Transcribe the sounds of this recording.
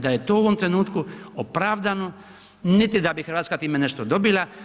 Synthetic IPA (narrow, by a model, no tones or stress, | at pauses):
d̪aje̞t̪oːuʋo̞mt̪ɾe̞nuːt̪kuopɾaʋd̪ano̞ | nit̪id̪abixɾʋaːt̪skat̪iːmene̞ʃt̪od̪o̞bila